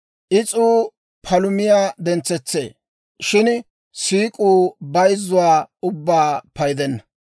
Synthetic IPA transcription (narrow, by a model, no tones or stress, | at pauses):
ʔɪt͡sʼuː | pʰɐlʊmɪjaːd̪ɛnt͡sːɛt͡sːḛː | ʃɪn | siːkʼuːbɐjzːʊwaːʊbːaːpɐjd̪ɛnːɐ